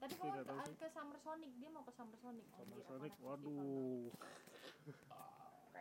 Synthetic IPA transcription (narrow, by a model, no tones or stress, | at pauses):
t̪apikadat̪aankəsamərsonɪk̚diamaukəsamərsonɪk̚samərsonik̚wadu